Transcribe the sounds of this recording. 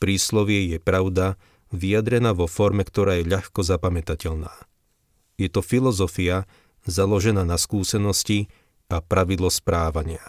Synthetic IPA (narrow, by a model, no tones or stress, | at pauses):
pɾiːslɔʋɪɛjɛpɾaʊd̪a | ʋijad̪ɾɛnaːʋɔfɔɾmɛkt̪ɔɾaːjɛʎaxkɔzapamɛt̪acɛʎnaː | jɛt̪ɔfilɔzɔfia | zalɔʒɛnaːnaskuːsɛnɔsci | apɾaʋid̪lɔspɾaːʋaɲɪa